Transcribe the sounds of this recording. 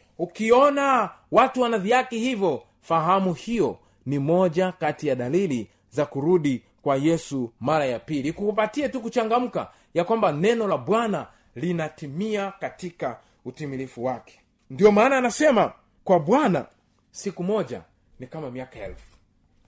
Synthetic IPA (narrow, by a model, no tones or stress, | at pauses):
ukiɔnawatuwanaviakihivjɔ | faɦamuhijɔ | nimɔʄakatijaɗalili | zakuɾuɗi | kwajɛsumaɾajapilikuupatiatukut͡ʃaŋɡam̩ka̰ | jakwambanɛnɔlaɓwana | linatimiakatika | utimilifuwakɛ̥ | ndiɔmaːnaːnasɛma | kwaɓwana̰ | sikumɔʄa̰ | nikamamiakaɛ̰lfu̥